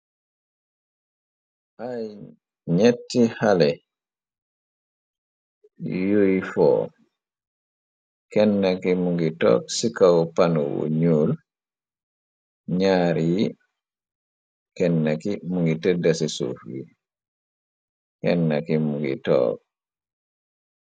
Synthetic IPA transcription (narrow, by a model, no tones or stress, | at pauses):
ʔaj | ɲetːihalɛ | jojfɔ̰ | kɛnːakimuŋɡitɔ̰ːksikawɔpanɔwo̰ɲul | ɲaːɾiji | kɛnːakimuŋɡitɛdːasɛsṵfi | kɛnːakimuŋɡḭtɔ̰ːk̚